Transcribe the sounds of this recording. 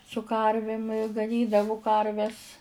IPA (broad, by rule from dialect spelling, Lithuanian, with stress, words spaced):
sʊ ˈkɐrʲʋʲɪm ɪ ɡɐˈnʲiːdɐʋʊ ˈkɐrʲʋʲɛs